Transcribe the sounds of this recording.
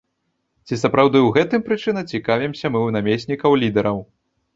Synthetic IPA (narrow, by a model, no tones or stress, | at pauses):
t͡sʲisɐpɾawd̪ɨwɣɛt̪ɨmpɾɨt͡ʂɨnɐt͡sʲikavʲɛmsʲɐmɨwnamʲesʲnʲikɐwlʲid̪ɛɾɐw